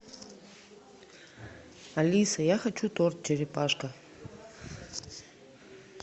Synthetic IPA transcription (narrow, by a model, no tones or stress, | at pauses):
ɐlʲisəjaxɐt͡ɕut̪ort̪̚t͡ɕɪɾʲɪpaʂkə